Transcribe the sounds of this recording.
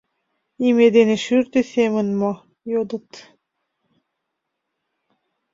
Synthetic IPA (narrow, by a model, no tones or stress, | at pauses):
imed̪eneʃyɾt̪eθemənmo | jod̪ə̆t̪